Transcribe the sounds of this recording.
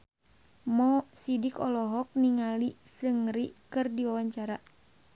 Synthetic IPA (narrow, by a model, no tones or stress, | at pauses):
mɔsidikɔlɔɦɔk̚niŋalisɨŋɾikɨrdiwawaɲt͡ʃaɾa